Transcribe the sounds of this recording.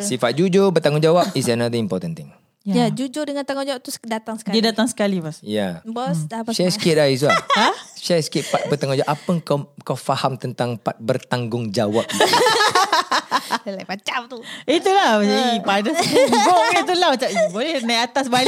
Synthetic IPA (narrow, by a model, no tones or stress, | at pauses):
sifat̪̚d͡ʒud͡ʒobərt̪aŋɡʊŋd͡ʒawap̚is̬ənad̪əimpɔt̪ənt̪ɪ̃ŋ | jad͡ʒud͡ʒodəŋant̪aŋɡuŋd͡ʒawap̚t̪usdat̪aŋsə̥didat̪aŋsə̥kalipasjabɔsasaskɪt̪̚ait̪̬uaasajskɪt̪̚pat̪̚bət̪aŋɡɔ̃d͡ʒawaʔapəŋkakawfahamt̪ənt̪aŋpat̪̚bərt̪aŋɡʊŋd͡ʒawapi | lajpat͡ʃap̚t̪uit̪ulahaipadəuɡoʔkit̪̬ulahmat͡ʃaʔbolɛhnajat̪asbal